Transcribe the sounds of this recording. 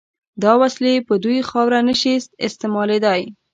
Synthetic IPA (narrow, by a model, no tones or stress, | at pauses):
d̪ɑwaslepəd̪ujxɑwɾanəʃist̪ɪ̰st̪ɪmɑled̪ɑj